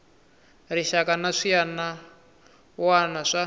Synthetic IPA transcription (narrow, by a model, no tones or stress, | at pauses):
riʃakanaʂijana | wanaʂa